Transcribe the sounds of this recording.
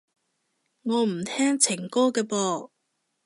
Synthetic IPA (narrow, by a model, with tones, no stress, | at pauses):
ŋɔː˨˧m̩˨˩t̪ʰɛː˥ŋt͡sʰɪ˨˩ŋkɔː˥kɛː˧pɔː˧